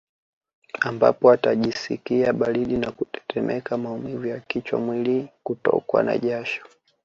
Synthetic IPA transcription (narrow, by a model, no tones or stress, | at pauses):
amba̰pɔataʄisḭkiaɓaɾiɗinakutɛ̥tɛmʔɛkamaumivujakit͡ʃwa̰mwilikutɔ̰kwa̰na̰ʄaʃɔ̥